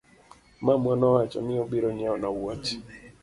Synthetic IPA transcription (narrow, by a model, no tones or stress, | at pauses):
mamwanɔwat͡ʃa̰nɪɔbiɾɔɲaɔnawat͡ʃi̥